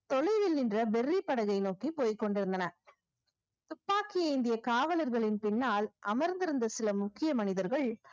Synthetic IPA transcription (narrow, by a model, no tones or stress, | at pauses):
t̪ɔɭɐɪʋɪlnɪndrɐbɛrːipːɐɽɐɣɐɪnoːkipoːjkɔɳɖɪɾɯnd̪ɐnɐ | t̪ʊpːaːkɪjɐɪnd̪ɪjɐkaːʋɐlɐɾɣɐɭɪnpɪnːaːlʔɐmɐɾnd̪ɪɾɯnd̪ɐsɪlɐmʊkːɪjɐmɐnɪðɐɾɣɐɭ